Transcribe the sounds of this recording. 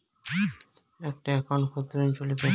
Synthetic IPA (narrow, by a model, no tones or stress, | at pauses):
ɛk̚ʈaɛkʰonkʰot̪ɾent͡ɕolipe